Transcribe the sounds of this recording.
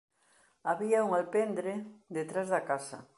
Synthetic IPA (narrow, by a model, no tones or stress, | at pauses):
aβiauŋalpend̪ɾed̪et̪ɾazðakasɐ̰